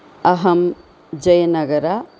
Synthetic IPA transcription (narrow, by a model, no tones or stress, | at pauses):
ɐɦɐm | d͡ʒɐjɐnɐɡɐɾa